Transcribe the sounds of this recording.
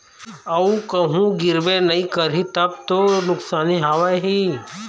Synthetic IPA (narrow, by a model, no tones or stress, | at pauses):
əũkəɦũɡɪɾbẽnəĩkəɾit̪əp̚t̪onʊksaːniɦaʋajɦi